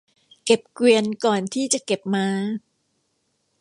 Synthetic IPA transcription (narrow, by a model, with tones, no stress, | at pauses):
ke˨˩p̚kwi˧ənkɔː˨˩nt̪ʰiː˥˩t͡ɕa˨˩ke˨˩p̚maː˧